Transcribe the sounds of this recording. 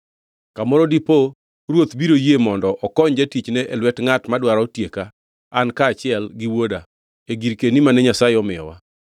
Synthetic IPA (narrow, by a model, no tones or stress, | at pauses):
kamɔɾɔdipo | ɾwot̪biɾojemɔndɔʔɔkɔɲd͡ʒɛtit͡ʃnɛʔɛlwɛtŋatmadwaɾɔɔtjeka | ankaːt͡ʃɪɛlɡɪwoda | eɡiɾkenimanɛɲasaɪɔmɪɔ̰wa̰